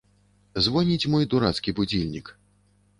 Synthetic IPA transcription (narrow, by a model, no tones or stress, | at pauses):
zvɔnʲit͡sʲmɔjd̪uɾat̪skʲibud͡zʲilʲnʲik